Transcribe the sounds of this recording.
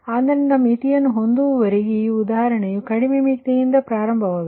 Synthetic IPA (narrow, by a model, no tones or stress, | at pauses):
aːnd̪ɐnnɐmːit̪ijɐnːɦond̪uʋɐɾiɣijuʊd̪aːɦɐɾɐɳɐjukɐɽimemikt̪ɐjind̪ɐpɾaːɾɐmbʱɐʋɐʋ